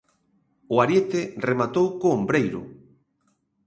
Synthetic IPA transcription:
ʊaɾjet̪ɪremat̪owkoːmbɾejɾʊ̰

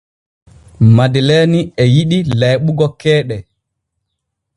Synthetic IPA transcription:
madileniɛjiɗilajɓuɡɔkɛːɗɛ

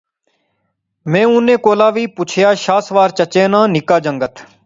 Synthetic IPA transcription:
mɛ̃ːʊnːẽːkoːlaːʋiːpʊt͡ʃʰjaːʃaːsʋaːɾt͡ʃət͡ʃeːnãːnɪkaːd͡ʒəŋɡət̪ʰ

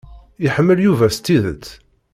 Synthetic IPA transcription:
ɪħəmːəljuvæst̪ːiðə̰t͡s̪ː

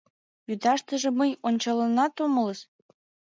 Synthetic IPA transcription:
jyd̪ɑʃt̪ə̆ʒĕməjonʲt͡ɕɑlɤ̆nɑt̪omə̆ləʃ

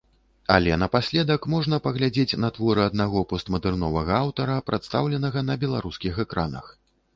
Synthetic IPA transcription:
alʲɛnɐpasʲlʲɛd̪ɐkmɔʐnɐpɐɣlʲad͡zʲet͡sʲnɐt̪vɔɾɨɐd̪̚naɣɔpɔst̪mɐd̪ɛrnɔvɐɣɐawt̪ɐɾɐpɾat̪st̪awlʲɛnɐɣɐn̪ɐbʲɛlˠaɾuskʲixɛkɾanɐ̰x

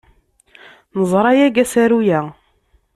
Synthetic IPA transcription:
nəzˤɾˤɑjæɡæsæɾujæ

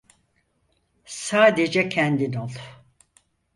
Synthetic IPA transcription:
saːd̪ed͡ʒɛcʰɛnd̪inolˠ

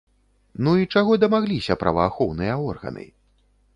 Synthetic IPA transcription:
nuit͡ʂaɣɔd̪ɐmaɣlʲisʲɐpɾʔɐ̰vɐːxɔwnɨjɐɔrɣɐ̰nɨ̰

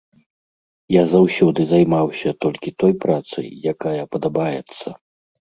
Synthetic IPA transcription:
jazawsʲɔd̪ɨzajmawsʲɐt̪ɔlʲkʲit̪ɔjpɾat̪sɨ̰jjakajɐpɐd̪abajɛt̪sːɐ

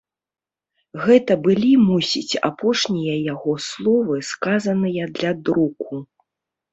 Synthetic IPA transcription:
ɣɛt̪ɐbɨlʲimusʲit͡sʲa̰pɔʂnʲijɐjaɣɔslˠɔvɨskazɐnɨjɐd̪lʲad̪ɾuku

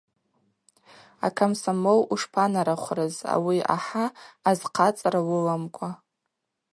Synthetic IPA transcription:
a̰kʰamsamowuʂpʰanaɾaχʷrɨza̰wia̰ħaːzqʰat͡sʼrawʊlamkʷʼʰa

